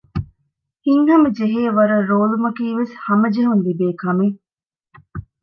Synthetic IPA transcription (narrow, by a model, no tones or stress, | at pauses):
hiŋhɐmɐd͡ʒeɦeːʋɐɾɐɾoːlumɐkiːʋeshɐmɐd͡ʒeɦunlibeːkɐme